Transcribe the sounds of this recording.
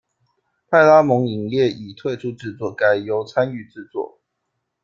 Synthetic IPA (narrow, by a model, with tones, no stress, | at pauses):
pʰa˥˧ɪla˦mʊ˧˥ŋi˨˩ŋjɛ˥˨i˨˩t̪ʰwe˥˨ɪʈ͡ʂʰu˥ʈ͡ʂɻ̩˥˧t͡swɔ˥˩ka˨˩ɪjo˧˦ʊt͡sʰa˦ny˥˧ʈ͡ʂɻ̩˥˧t͡swɔ̰˥˩